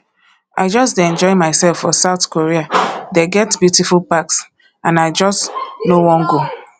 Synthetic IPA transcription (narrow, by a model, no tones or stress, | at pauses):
ʔa̰ɪd͡ʒɔsdeɛ̃nd͡ʒɔɪmaɪsɛlˠfːɔsaʊθkoɹiadeɡɛtbjutifulˠpaks | ãnaɪd͡ʒɔstnowɔ̃nɡo